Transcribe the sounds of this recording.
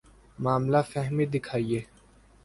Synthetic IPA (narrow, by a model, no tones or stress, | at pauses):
maːmlafɛɦmid̪ɪkʰaːieː